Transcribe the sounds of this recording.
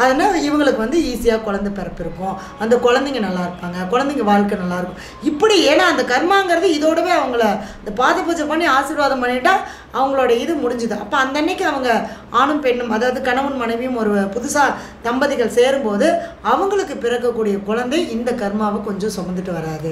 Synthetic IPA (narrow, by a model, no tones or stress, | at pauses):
ɐðɐnːaːɪʋɐŋɡɐɭɯkːɯʋɐnd̪ɯiːsɪjaːkʊɻɐnd̪ɐpɛɾɐpːɪɾɯkːʊ̃ | ɐnd̪ɐkɔɻɐnd̪ɪŋɡɐnɐlːaːɪɾɯpːaːŋɡɐkʊɻɐnd̪ɪŋɡɐʋaːɭkːɐnɐlːaːɪɾɯkːʊ̃ | ɪpːɐɽieːnaːɐnd̪ɐkɐɾmaːɯŋɡɪɾɐðɯɪðoːɽɐʋeːɐʋɐŋɡɐɭɪnd̪ɐpaːðɐpːoːt͡ʃːɐpɐnːiaːsɪɾʋaːðɐmpɐnːɪʈːãː | ɐʋɐŋɡɐɭoːɽɐɪðɯmʊɽɪɲd͡ʒɯðɯɐ̰pːoːɐnd̪ɐnːɐɪkːɯ̃ɐʋɐŋɡɐaːɳɯmpɛɳːɯmɐðaːʋɐðɯkɐɳɐʋɯnmɐnɐɪʋɪjɯmɔɾɯpʊðʊsaːt̪ɐmbɐðɪɣɐɭseːɾɯmpoːðɯ | ɐʋɐŋɡɐɭɯkːɯpɪɾɐkːɐkːuːɽɪjɐkʊɻɐnd̪ɐɪɪnd̪ɐkɐɾmaːʋɐkɔɲd͡ʒɔ̃sɔmɐnd̪ɯʈːɯʋɐɾaːðɯ